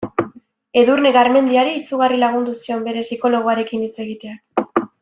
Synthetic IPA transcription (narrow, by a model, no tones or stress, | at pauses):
e̞ðurne̞ɣaɾme̞nd̪iaɾiisuɣ̞arilaɣ̞und̪usio̞mbe̞ɾe̞siko̞lo̞ɣ̞oaɾe̞kinit͡se̞ɣit̪e̞ak